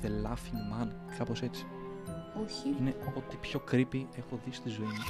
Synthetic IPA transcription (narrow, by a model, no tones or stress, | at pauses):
ðelɐfiŋmɐn | kʰɐpo̞se̞t͡si̥oçineo̞t̪ipço̞kɾipie̞xo̞ðist̪izo̞imɐ